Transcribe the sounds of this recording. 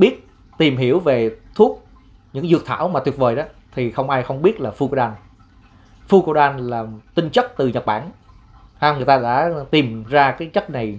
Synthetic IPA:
ɓi˦˥ət̚ | t̪i˨˩mɦi˧˩˥əwve˨˩t̪ʰu˦˥ək̚ | ɲɨ̰˧˥ŋzɨ˨˩ək̚t̪ʰa̰ː˧˩wmaː˨˩t̪wt̚vəː˨˩jɗɔ˨˦t̪ʰi˨˩xə˧wŋ͡mʔaː˧jxə˧wŋ͡mɓi˦˥ət̚laː˨˩fu˧ko˧ɗaː˧n | fu˧ko˧ɗaː˧nlaː˨˩t̪ï˧ŋt͡ɕə˦˥k̚t̪ɨ˨˩ɲə˨˩t̚ɓaː˧˩n | ha˧ŋ˨˩jt̪aː˧ɗa̰ː˧˥t̪i˨˩mzaː˧kaː˨˦jt͡ɕə˦˥t̚na˨˩j

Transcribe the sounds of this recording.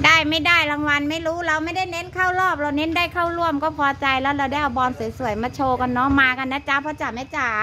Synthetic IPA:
daː˥˩jma˥˩jdaː˥˩jɾa˧ŋwa˧nma˥˩jɾuː˦˥ɾa˧wma˥˩jda˥˩jne˦˥nkʰaː˥˩wɾɔː˥˩p̚ɾa˧wne˦˥ndaː˥˩jkʰaː˥˩wɾu˥˩əmkɔː˥˩pʰɔː˧t͡ɕa˧jlɛː˦˥wɾa˧wda˥˩jʔa˧˩wbɔː˧nsu˨˩˦jsu˨˩˦jmaː˧t͡ɕʰoː˧ka˧nːɔ˦˥maː˧ka˧nːa˦˥t͡ɕa˦˥pʰɔ˦˥t͡ɕa˨˩ma˦˥˩t͡ɕa˨˩

